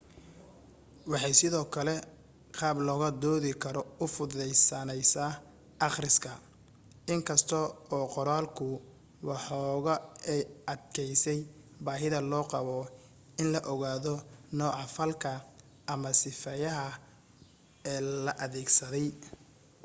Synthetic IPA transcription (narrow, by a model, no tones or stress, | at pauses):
wɑħɑjsɪðɔːkʰɐlɛ | qɑːblɔːɣɐd̪ɔːðɪkʰɐɾɔʊfʊðɛjsɐnɛjsaː | ʔɑχrɪskʰɐ | ɪŋkʰɐst̪ʰɔɔːqɔɾaːlkʰʊ | wɑħɔːɣɐɛjɐd̪kʰɛjsɛj | baːɦɪðɐlɔːqɑβɔ | ɪnlɐʔɔɣaːðɔnɔːʕɑfɐlkʰɐ | ʔɐmɐsɪfɛjɐɦɐ | ɛːlɐʔɐðɛːɡsɐðɛj